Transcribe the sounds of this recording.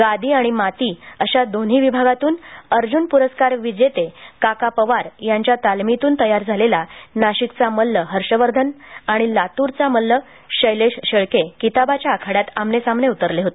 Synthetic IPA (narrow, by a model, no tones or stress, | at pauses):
ɡad̪ʱiːaɽ̃imat̪iːəɕad̪on̤ɦiːʋibʱaɡat̪uːnəɾd͡ʑunpuɾəskaɾʋid͡ʑet̪ekakapəʋaɾjaɲt͡ɕjat̪almit̪uːnt̪əjaɾd͡zʱalelanaɕikt͡saməlːəɦəɾɕəʋəɾd̪ʱənaɽ̃ilat̪uɾt͡saməlːə | ɕəjleɕɕəɭkekit̪abat͡ɕjaːkʰaɽat̪amnesamneut̪əɾleɦot̪e